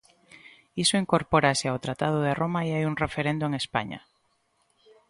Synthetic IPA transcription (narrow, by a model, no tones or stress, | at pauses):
isoiŋkoɾpoɾasɪawt̪ɾat̪að̞ʊðeromaiajuŋrefeɾend̪oeŋespa̰ɲa̰